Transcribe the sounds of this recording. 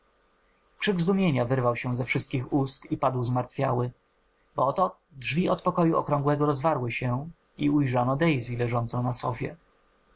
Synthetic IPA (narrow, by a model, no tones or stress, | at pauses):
kʂɘɡzd̪umʲjeɲavɘɾvawɕɛ̃zɛfʂɘst̪̚kʲixust̪ipad̪wzmaɾt̪fʲjawɘ | bɔɔt̪ɔ | dʐvʲiɔt̪pɔkɔjuɔ̰kɾɔ̃ŋɡwɛɡɔɾɔzvaɾwɘɕɛ | iujʐɔnɔd̪ɛjzʲilɛʐɔnt̪sɔ̃nasɔ̰fʲjɛ̰